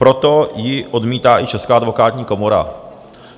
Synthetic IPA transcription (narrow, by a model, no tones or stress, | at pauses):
pɾot̪ojɪʔod̪miːt̪aːʔɪt͡ʃɛskaːad̪vokaːt̪ɲiːkomoɾa̰